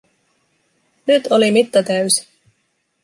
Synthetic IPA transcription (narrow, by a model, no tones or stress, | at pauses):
nyt̪ʰolimit̪ːɑt̪æɥsi̥